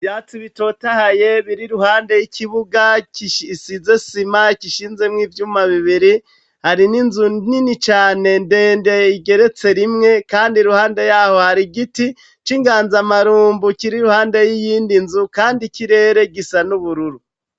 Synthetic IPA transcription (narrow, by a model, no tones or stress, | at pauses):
vjaːt͡siβito̞tahaje̞βiɾiɾuhaːnde̞jikʰiβuɡakiʃsize̞simakiʃiːnzemŋiːvjuːmaβiβiɾi | haɾininzuninit͡ʃaːne̞nde̞ːnde̞iɡe̞ɾe̞t͡se̞ɾimŋe̞kaːndiɾuhaːnde̞jaho̞haɾiɡiti | t͡ʃiŋɡaːnzamaɾuːmbukiɾiɾuhaːnde̞jijiːndinzukaːndikiɾe̞ːɾe̞ɡisanuβuɾuɾu